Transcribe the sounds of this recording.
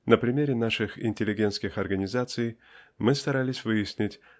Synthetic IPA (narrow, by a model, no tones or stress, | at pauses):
nəpɾʲɪmʲeɾʲɪnaʂɨxɪ̰nʲtʲɪlʲɪɡʲent̪skʲɪxɐrɡənʲɪzat̪sɨj | mɨst̪ɐɾalʲɪsʲvɨjɪsʲnʲɪtʲ